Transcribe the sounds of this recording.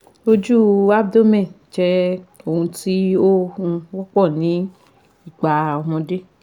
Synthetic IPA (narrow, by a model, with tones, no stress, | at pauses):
o˦d͡ʒu˦a˦b̚do˦mɛ̃˦˨ | d͡ʒɛ˧o˦˨ũ˧ti˦o˦ũ˧wɔ˦k͡pɔ˦˨nĩ˨˦ | i˦˨ɡ͡ba˨ɔ˧mɔ̃˧de˦